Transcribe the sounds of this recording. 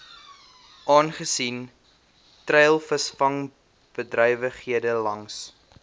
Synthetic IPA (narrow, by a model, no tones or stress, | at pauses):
ʔɑːnχəsin | trɛjlˠfəsfɐŋ | b̥ədrœjvəχɦiədəlɐŋs